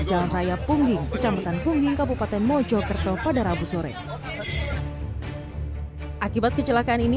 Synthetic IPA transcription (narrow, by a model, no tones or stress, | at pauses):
d͡ʒalanrajapuŋɡɪŋkət͡ʃamat̪anpuŋɡɪŋkabupat̪ɛnmɔd͡ʒɔkərt̪ɔpadaɾabusɔɾɛ̰ | ʔakibat̪̚kət͡ʃəlakaːnini